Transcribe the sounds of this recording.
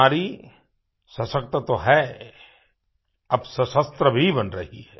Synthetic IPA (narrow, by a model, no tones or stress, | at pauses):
aːɾi | sɐsək̚t̪ət̪oɦɛ | ɐbsɐsəst̪ɾəbʱibɐnɾɐɦiɦɛː